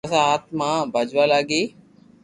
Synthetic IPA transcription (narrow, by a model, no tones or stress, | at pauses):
sãɦət̪ʰmãːbʱəd͡ʒʋãːlaːɡeː